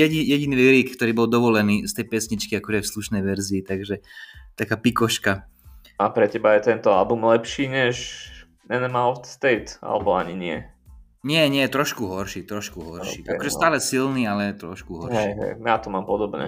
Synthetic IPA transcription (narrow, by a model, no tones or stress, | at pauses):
jɛɟijɛɟiniliɾikkt̪ɔɾiːbɔld̪ɔʋɔlɛniːst̪ɛjpɛsɲit͡ʃkiakɔʒɛfsluʃnɛjʋɛɾziːt̪aɡʒɛt̪akaːpikɔʃka | apɾɛcɛbajɛt̪ɛnt̪ɔa̰lbumlɛpʃiːɲɛʃ | ɛnɛmalɔft̪st̪ɛjt̪a̰lɛbɔaɲiɲɪɛ̰ | ɲɪɛɲɪɛjɛt̪ɾɔʃkuɦɔɾʃiːt̪ɾɔʃkuɦɔɾʃiːʔa̰kɔʒɛst̪aːlɛsilniːalɛt̪ɾɔʃkuɦɔɾɦɛʃj̰ɦɛ̰jjat̪ɔmaːmpɔd̪ɔbɲɛ̰